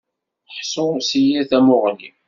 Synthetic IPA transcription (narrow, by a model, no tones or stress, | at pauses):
ħsʊsijæθæmʊʁli